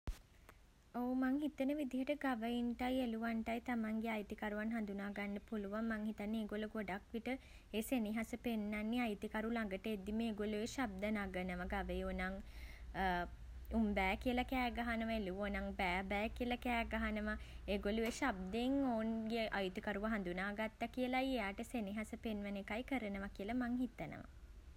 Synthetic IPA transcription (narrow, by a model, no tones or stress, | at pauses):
oːmaŋɦit̪ənəʋid̪iɦəʈəɡaʋəinʈajeluʋaɳʈajt̪amaŋɡeajt̪ikaɾuʋanɦand̪unaːɡanːəpuluʋamːaŋɦit̪anːeːɡoluɡoɖakʋiʈə | eːseniɦasəpenːanːiajt̪ikaɾulaŋɡəʈəed̪iməeːɡoluʋeʃab̚d̪ənaːɡənəʋaɡaʋəjonaŋ | umbɛːkiəlakɛːɡaɦanəʋaeluʋonaŋbæːbɛːkiəlakɛːɡaɦanəʋaeːɡoluʋeʃab̚d̪eŋoːnɡeʔajut̪ikaɾuʋəɦand̪unaːɡat̪ːakijəlajejaːʈəseniɦasəpenʋənekajkəɾənəʋakiəlamaŋhit̪ənə̰ʋa̰